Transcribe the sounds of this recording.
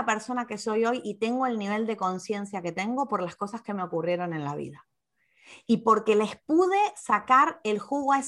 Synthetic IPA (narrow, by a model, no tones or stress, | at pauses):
ape̞ɾso̞nake̞so̞jo̞jʔit̪e̞ŋɡo̞e̞lniβ̞e̞ld̪e̞ko̞nsje̞nsjaket̪e̞ŋɡo̞po̞ɾlasko̞saske̞meo̞kurje̞ɾo̞nẽ̞nlaβḭða | ipo̞ɾke̞le̞spuð̞e̞sakaɾe̞lxuɣoaes